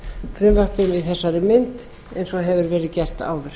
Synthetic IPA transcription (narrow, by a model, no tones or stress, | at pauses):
fɾɪːlahpɪmɪθɛsːaɾɪmɪnt̪ | ɛejnsɔɦɛvʏɾvɛːɾɪðcɛr̥t̪a̰ːwðʏɾ̥